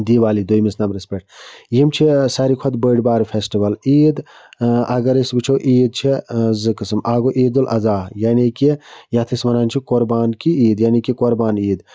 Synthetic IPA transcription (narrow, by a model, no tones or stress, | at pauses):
d̪iʋaːlid̪ojmisnɐmɾispʲek̚ʈjimt͡ʃʰisaɾikʰod̪bəːɖbaːɾpʰesʈiʋɐliːd̪ | ɐɡɐɾisbɨt͡ʃʰowʔiːd̪̚t͡ʃʰizɨkɨsɨmaːɡoʔiːd̪ulʔɐ̰zaːjaːnikijaːt̪ʰismɐnaːnt͡ʃʰikoɾbaːnkiiːd̪jaːnikikoɾbaːniːd̪